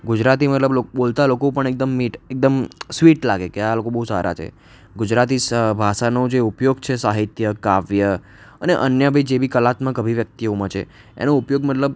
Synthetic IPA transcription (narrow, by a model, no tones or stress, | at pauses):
ɡud͡ʒɾat̪imət̪ləbloɓolt̪alokopəɳek̚d̪əmːiʈek̚d̪əmsʋiʈlaɡekealokobəɦusa̰ɾʔa̰t͡ʃʰḛ | ɡud͡ʒɾat̪isbʱaʃanod͡ʒeupjoɡt͡ʃʰesaɦit̪jəkaʋjə | əneʔənjəbʱaid͡ʒebʱikəlat̪mə̃kəbʱiʋjək̚t̪iomãt͡ʃʰḛ | ḛnoupjoɡmət̪ləb̚